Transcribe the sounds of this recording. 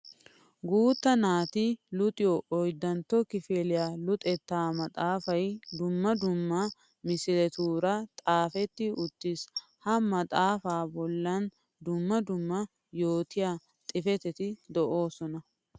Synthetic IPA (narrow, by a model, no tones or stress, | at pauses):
ɡuːt̪ːɐnaːt̪ɪlʊt̪ʼɪjɔʔɔjd̪ːɐnt̪ːɔkɪfeːlɪjaːlʊt̪ʼɛt̪ːaːmɐt̪ʼaːfɐjd̪ʊmːɐd̪ʊmːɐ | mɪsɪɾɛt̪uːɾɐt̪ʼaːfɛt̪ːɪʊt̪ːɪs | hɐmɐt̪ʼaːfaːbɔlːɐn | d̪ʊmːɐd̪ʊmːɐ | jo̞ːt̪ɪjaː | t̪ʼɪfɛt̪ɛt̪ɪd̪ɔʔo̞ːsɔnɐ